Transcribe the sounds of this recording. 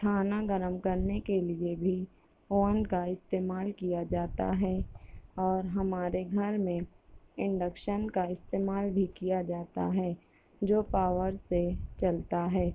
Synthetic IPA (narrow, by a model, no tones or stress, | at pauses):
ʈʰaːnaɡəɾəmkɐɾnekeliebʱi | oːənkaɪst̪eːmaːlkijad͡ʒaːt̪a̰ɦɛ | ɔːɾɦɐmaːɾeɡʱɐɾmẽ | ɪ̃ɳɖəkʃənkaɪst̪eːmaːlbʱikijad͡ʒaːt̪a̰ɦɛː | d͡ʒoːpaːʋəɾset͡ʃɐlt̪aɦɛː